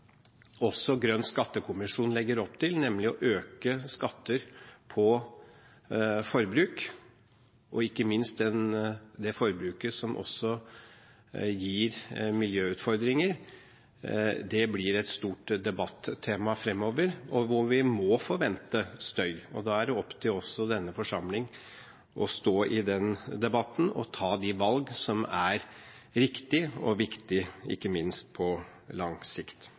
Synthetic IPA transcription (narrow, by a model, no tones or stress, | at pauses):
ɔsːɔɡɾœnːskɑt̪ːəkʰʊmɪʂuːnlɛɡːəɾɔpt̪ʰɪlnɛmlɪɔ̰ʔøːkəskɑt̪ːəɾpʰɔ | fɔɾbɾʉːk | ʔɔɪkːəmɪnst̪̚d̪ɛnd̪ɛfɔɾbɾʉːkəsɔmʔɔ̰sːɔ | jiːɾmɪljøːʉːt̪fɔɾd̪ɾɪŋəɾ | d̪ɛblɪɾɛt̪st̪uːʈd̪ɛbɑt̪ːt̪ʰːeːmɑfɾɛmːoːʋəɾɔʋʊɾʋɪmɔfɔʋɛnt̪əst̪œʏɔd̪ɑæɖɛɔpːt̪ʰɪlɔsːɔd̪ɛnːəfɔʂɑmlɪŋ | ʔɔst̪oːʔɪd̪ɛnd̪ɛbɑt̪ːn̩ɔ̰t̪ʰɑːd̪ɪʋɑlɡsɔmæɾ | ɾɪkt̪ɪɔ̰ʋɪkt̪ɪɪ̰kːəmɪnst̪̚pʰɔ | lɑŋsɪkt̪